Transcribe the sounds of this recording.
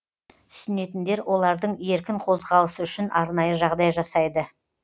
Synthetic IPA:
t̪ʰʏ̥sɪne̞t̪ɪnd̪e̞ɾwʔo̞lˠɑɾd̪əɴe̞ɾkʲɪɴqʰo̞zʁɑlˠəsəʏʃɪnɑɾnɑjəʒɑʁd̪ɑjʒɑsɑjd̪ə

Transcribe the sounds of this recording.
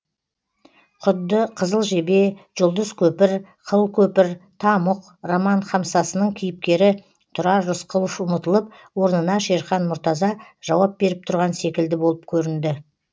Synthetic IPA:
qʰʊd̪ːəqʰəzəlˠʒe̞be̞ʒ̥ʊlˠd̪əz̥kʲʰɵpɪɾ | qʰəlˠkʲʰɵpɪɾt̪ʰɑməq | romɑnχɑmsɑsənəɴkʲʰijɪp̚kʲe̞ɾɪ | t̪ʰʊɾɑːʊsqʰəlˠəfʊmət̪əlˠəp̚ | wo̞ɾənənɑʃe̞ɾχɑnmʊɾt̪ɑzɑʒ̥ɑwɑp̚be̞ɾɪp̚t̪ʰʊɾʁɑnse̞kʲɪld̪ɪbo̞lˠəpkʲʰɵɾɪnd̪ɪ

